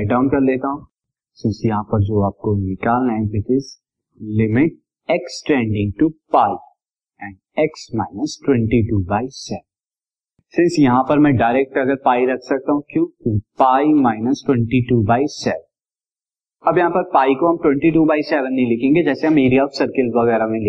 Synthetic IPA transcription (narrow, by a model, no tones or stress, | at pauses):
aɖãːʊ̃nkɐɾleːt̪aɦũ | sɪ̃nsjɐɦãpɐɾd͡ʒoːaːp̚konɪkaːlnãẽbɪʈɪz | lɪmɪʈ̚ | ɛksʈɛ̃ːɳɖɪ̃ŋɡʈupaːi | ɛ̃ːɳɖɛksmaːɪnəsʈwɛ̃ɳʈiʈuːbaːɪsɛːʋə̃n | sɪ̃nsjɐɦãpɐɾmɛ̃ɖaːɪɾɛːk̚ʈɐɡəɾpaːiɾɐkʰsɐk̚t̪aɦũkjũːupaːimaːɪnəsʈwɛ̃ɳʈiʈuːbaːɪsɛːʋə̃n | ɐbjɐɦãpɐɾpaːikoɦɐ̃mʈwɛ̃ɳʈiʈuːbaːɪsɛːʋə̃nːɦĩlɪkʰẽːŋɡed͡ʒɛːseɐmeːɾiɔːfsɐɾkɪlʋɐɣɛːɾamẽlɪ